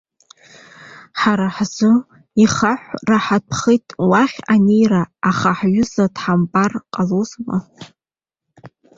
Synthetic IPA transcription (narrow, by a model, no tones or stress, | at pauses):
ħaɾaħzɨ | iχaħʷraħapʰχitʼwaχʲanejraːχaħɥʊzadħampʼarqʼalozma